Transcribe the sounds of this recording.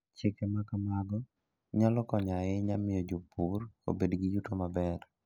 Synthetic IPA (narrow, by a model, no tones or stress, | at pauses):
t͡ʃɪkɛmakamaɡɔ | ɲalɔkɔɲaɪɲamɪjod͡ʒopuro̰bedɡijutomabɛr